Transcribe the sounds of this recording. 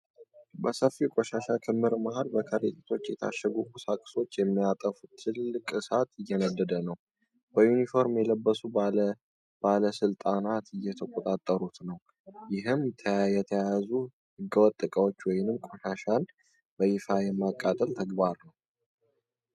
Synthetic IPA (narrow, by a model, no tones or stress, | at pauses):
bəsəfikʷʼoʃaʃakʰɨmːɨɾmahalbəkʰəɾit̪ʰʼet̪ʰo̞t͡ʃːjɛt̪ʰa̰ʃɛɡukʰʼusakʼso̞t͡ʃːjɛmːijat̪ʼəfut̪ʰɨlːɨkʼɨsat̪ɨjːɛnəd̪ːəd̪ənəw | b̥əjunifo̞ɾmjɛləbːəsu | b̥aləsɨlt̪ʼanat̪ɨjːɛt̪ʰəkʷʼot̪ʼat̪ʼːəɾut̪nəw | jɪɦɨmːt̪ʰəjɛt̪ʰəjazu | hɨɡːəwɔt̪ʼːɨkʼəwo̞t͡ʃːwɔjɪnɨmkʼo̞ʃaʃan | b̥əɪfajɛmːakʼːat̪ʼəlt̪ʰəɡbaɾnəw